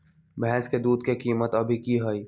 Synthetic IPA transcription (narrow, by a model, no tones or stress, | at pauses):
bɛ̃sked̪uːd̪kekiːmət̪əbʱikiɦəi